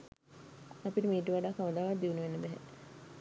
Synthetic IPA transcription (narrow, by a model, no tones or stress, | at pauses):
ɐpiʈəmiːʈuʋaɖaːkaʋəd̪aːʋat̪̚d̪iʋunuʋenːebɛɦɛ